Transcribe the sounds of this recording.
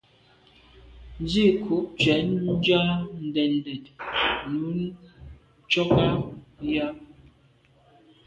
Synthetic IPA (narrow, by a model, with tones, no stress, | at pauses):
n˦d͡ʒi˦˨kʰu˨˦p̚t͡ʃɥɛ˨˦nn̩˦d͡ʒa˦n̩˨dɛ˨n˨dɛ˨t̚nu˨˦n | t͡ʃɔ˦ka˦ja˦